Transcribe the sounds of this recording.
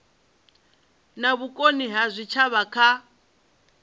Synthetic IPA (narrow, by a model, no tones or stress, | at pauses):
naβukʼoniɦazʷit͡ʃʰaβakʰa